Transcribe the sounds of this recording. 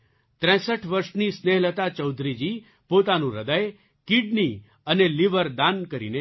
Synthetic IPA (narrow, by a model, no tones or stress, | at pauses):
t̪ɾɛ̃səʈʰʋəɾʃnisneɦlət̪at͡ʃəwd̪ʱɾid͡ʒi | pot̪anũɾəd̪əj | kiɖni | əneliʋəɾd̪ankəɾḭne